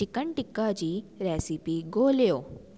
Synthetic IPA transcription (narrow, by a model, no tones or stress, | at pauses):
ɪkəɳʈɪkːad͡ʑiːɾɛːsipiɡoːljoː